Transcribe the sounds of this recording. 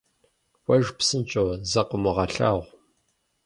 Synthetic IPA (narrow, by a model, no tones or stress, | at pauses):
wʷɐʒpsɨnt͡ʃʼozɐqəmʊʁɐɬa̰ːʁʷ